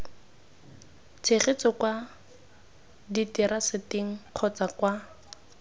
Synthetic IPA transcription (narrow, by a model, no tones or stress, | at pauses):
t͡sʰeχet͡sɔkwa | ditiɾasɪtɪŋ̩q͡χʰɔt͡sakwa